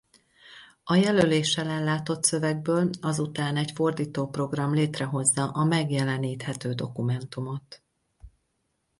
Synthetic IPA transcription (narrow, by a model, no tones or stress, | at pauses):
ɒjɛløleːʃːɛlɛlːaːt̪o̞t̪sø̞vɛɡ̚bøːlɒzut̪aːnɛcfo̞rd̪iːt̪oːpro̞ɡrɒmleːt̪rɛɦo̞zːɒʔɒmɛɡjɛlɛniːt̪hɛt̪øːd̪o̞kumɛnt̪umo̞t̪